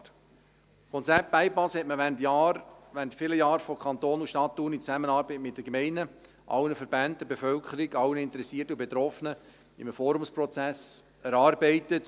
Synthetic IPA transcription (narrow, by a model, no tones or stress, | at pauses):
kʰɔnt͡sɛp̚t̚æɪpɑshɛtməʋæntjɑːɾʋæntfɪləjɑːɾfɔkʰχɑnt̪oːnuʃtɑt̪ːuːnit͡sæmənɑːɾbəɪtmɪt̚d̥əkmɛɪnə | ʔɑ̰wnəfəɾbænt̚d̥əbefœlkʰəɾɪɡɑwənəɪntəɾɛsiːtəubet̪ɾɔfənə | ɪmfɔːɾumspɾɔt͡sæs | ɛɾɑːɾbɛɪtət